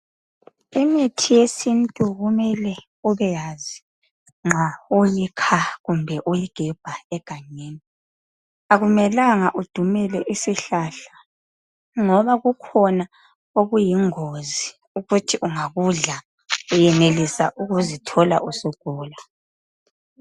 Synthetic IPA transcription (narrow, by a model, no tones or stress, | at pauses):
imitʰijesintʼuɣumɛlɛ | uβɛjazi | ŋ͡ǁaujikʰaɣumbʱɛʔujiɡ̥ʱɛb̥ʱaɛɡ̥ʱaɲeːni | aɣumɛlaŋaʔud̥ʱumɛlɛʔisiɬaɬḁ | ŋɔβaɣukʰɔna | oɣujiŋozi | uɣutʰiʔuŋaɣuɮa | ujɛnelisaʔuɣuzitʰɔla̰ʔusuɡ̥ʱuːla